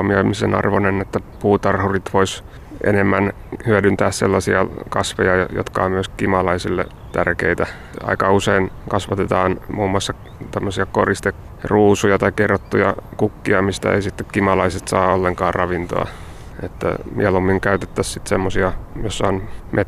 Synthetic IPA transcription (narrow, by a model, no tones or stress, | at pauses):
mioimisenɑ̰rʋonenet̪ːæpuːt̪ɑrhurit̪ʋois | ḛnemːæn | hyødynt̪æːsselːɑsiɑkɑsʋejɑ̰jo̰t̪kɑ̰ommyøskimɑlɑisilːḛ | t̪ærkeit̪æ | ɑ̰ikɑuseinkɑsʋɑt̪et̪ɑːnmuːmːuɑsːɑ | t̪æmːøsiɑkorist̪ek | ruːsujɑt̪ɑikerːot̪ːujɑ̰kukːiɑmist̪æ̰ḛisit̪ːekkimɑlɑiset̪sɑ̰ːolːeŋkɑːrrɑʋint̪o̰ɑ̰ | ḛt̪ːæ̰mḭælumːiŋkæyt̪et̪ːæssit̪semːosiɑjosːɑonmʔet